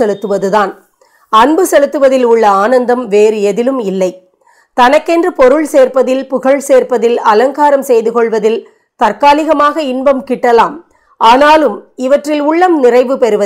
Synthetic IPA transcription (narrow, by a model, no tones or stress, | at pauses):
ɛlɯt̪ːɯʋɐðɯðaːn | ɐnbɯsɛlɯt̪ːɯʋɐðɪlʊɭːɐaːnɐnd̪ɐmʋeːɾɯɛðɪlɯmɪlːɐɪ | t̪ɐnɐkːɛndrɯpɔɾɯɭseːrpɐðɪlpʊɣɐɭseːɾpɐðɪlɐlɐŋkaːɾɐmsɛjðɯkɔɭʋɐðɪl | t̪ɐrkaːlɪɣɐmaːɣɐɪnbɐmkɪʈːɐlaːm | ʔaːnaːlɯmɪʋɐʈrɪlʊɭːɐmnɪrɐɪʋɯpɛɾɯʋɐ